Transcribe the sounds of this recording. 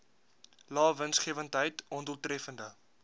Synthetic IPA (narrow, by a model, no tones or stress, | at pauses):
lɑːvənsχiəvəntɦəjtɔndulˠtrɛfəndə